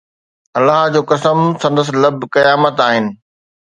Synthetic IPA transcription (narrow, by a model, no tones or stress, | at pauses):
ɐlːaɦd͡ʑoːkɐsəmsɐ̃nd̪əs̬lɐbʱkɐjaːmət̪aːɦɪnɪ̆